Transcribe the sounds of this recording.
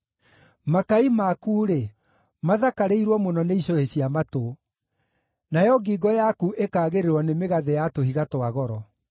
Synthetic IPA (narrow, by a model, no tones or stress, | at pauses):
makaimakuːɾe | maðakaɾeiɾwɔmonɔneiɕoheɕiamato | najɔɡiɡɔjakuʔekaːɣeɾeɾwɔnemeɣaðejatohiɣatwaɣɔɾɔ